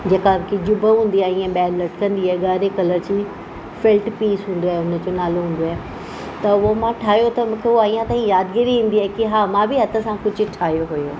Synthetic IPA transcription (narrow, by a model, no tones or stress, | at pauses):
d͡ʑeːkakʰed͡ʑʊbəɦũːn̆d̪iaːĩẽɓɛːllɐʈʰkɐ̃nd̪iaːeɡaːɾekɐləɾd͡ʑiː | felʈpiːsɦũːn̆d̪oaːɦeʊnə̆d͡ʑonaːloɦũːn̆d̪oaːe | t̪ɐʊɦomãʈʰaːɦjot̪ɐmũːkʰeoaːijãt̪aːɦĩjaːd̪ɡɪɾiɦĩːn̆d̪iaːɦkiɦaːmãbʱɪɦɐt̪ʰə̆sãkʊd͡ʑʱʊ̆ʈʰaːɦijoɦʊjoː